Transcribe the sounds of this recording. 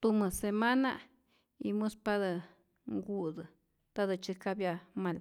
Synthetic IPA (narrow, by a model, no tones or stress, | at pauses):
t̪umɨsemana | ḭmuspad̪ɨ | ŋɡud̪ɨ | t̪ad̪ɨt͡ʃɨkabjamal